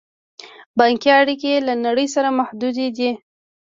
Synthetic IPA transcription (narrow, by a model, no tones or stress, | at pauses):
bɑŋkiaɽikelanaɽəjsaɾamahd̪ud̪ed̪i